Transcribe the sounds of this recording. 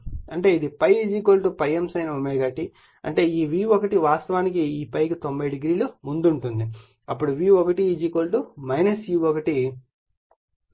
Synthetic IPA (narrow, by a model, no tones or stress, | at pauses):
ɐɳʈe̞ːid̪ipɐjd͡ʒiːkoːlʈupɐjemsɐjnɐomeːɡɐːʈi | ɐ̰ɳʈe̞ːiːʋiːʋɔkɐʈiʋaːst̪ɐʋaːnik̬iiːpɐjkit̪o̞mbɐjɖiɡɾiːlumund̪uɳʈund̪i | ɐpːuɽuʋiːɔkɐʈiːd͡ʒiːkoːlʈumɐjnɐsiːʋɔkɐʈi